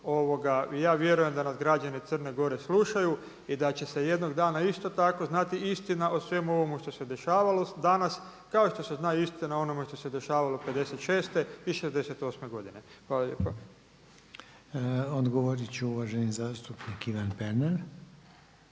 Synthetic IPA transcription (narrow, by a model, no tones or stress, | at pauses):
o̞ʋo̞ɡajaːʋjeɾuje̞md̪anasɡɾad͡ʒanit̪sər̩neɡo̞ɾe̞slˠuʃaju | id̪at͡ɕe̞se̞je̞d̪no̞ɡd̪aːnaist̪o̞t̪ako̞znat̪iist̪inaʔosʋe̞muo̞ʋo̞muʃt̪o̞se̞d̪e̞ʃaːʋalo̞d̪anas | kao̞ʃt̪o̞se̞znaːist̪inao̞nomeʃt̪o̞se̞d̪e̞ʃaːʋalo̞pe̞d̪e̞set̪ʃeːst̪e̞iʃe̞zd̪e̞set̪o̞sme̞ɡo̞d̪inexʋaːlˠaljḛːpa | od̪ɡoʋoɾit͡ɕɛuʋaʒenizaːst̪upnikiʋanpeɾneɾ